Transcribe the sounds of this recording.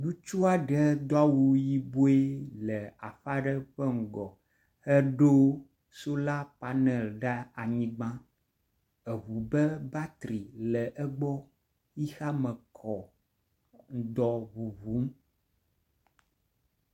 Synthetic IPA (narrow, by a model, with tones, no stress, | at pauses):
ɖu˦t͡ʃu˦a˨ɖɛ˦d̪ɔ˦a˦wu˦ji˦bo˦e˦lɛ˨a˨ɸa˦ɖɛ˦ɸɛ˦ŋ̩˨ɡɔ˨ | hɛ˦ɖo˦ | so˦la˦pa˨nɛ˨lɖa˦a˨ɲĩ˦ɡ͡bã˦ | ɛ˨βu˨bɛ˦ba˦t̪ɾi˨lɛ˨ʔɛ˦ɡ͡bɔ˦ | ji˦xa˦mɛ̃˨kʰɔ˨ | ŋ̩˨d̪ɔ˨βu˨βu˨˦m˦